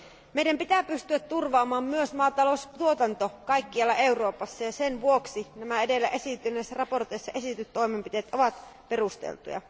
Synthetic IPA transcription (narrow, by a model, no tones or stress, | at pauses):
meidæmpit̪æːpyst̪yæt̪t̪ːurʋɑːmɑːmmyøsmɑːt̪ɑlost̪uot̪ɑnt̪o̞kɑjkːiɑlːɑʔe̞uro̞ːpɑsːɑjɑsenʋuoksinæmæe̞delːæʔe̞sit̪ynesːærɑpo̞rt̪ejsːɑʔe̞sit̪yt̪ːo̞imempit̪e̞ːt̪ʔo̞ʋɑt̪perust̪ḛlt̪ṵjɑ̰